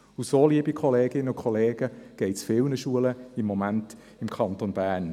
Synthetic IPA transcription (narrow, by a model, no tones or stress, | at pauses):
usoːliəbikʰɔleːɡɪnːəʊkʰɔleːɡ̥əɡ̥ɛɪtsfɪlnəʃuələɪmːɔmænt | ɪmkʰɑntonbæːɾn